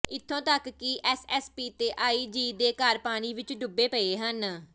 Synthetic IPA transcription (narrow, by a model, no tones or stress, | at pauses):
ɪt̪ʰːõːt̪əkkːɪʔɛːsɛːspiːt̪eːʔaːiːd͡ʒiːd̪eːkaːɾpaːɽ̃iːʋɪt͡ʃɖʊbeːpəeːɦən